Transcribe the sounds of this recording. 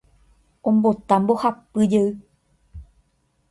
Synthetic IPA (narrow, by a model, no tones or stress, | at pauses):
ʔombot̪ambohap̚pɨjɨ